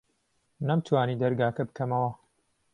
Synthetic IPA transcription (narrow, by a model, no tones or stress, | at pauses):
nɐmt̪ʰwaːnid̪ɐɾɡaːkɐbɨkʰɐmɐwɐ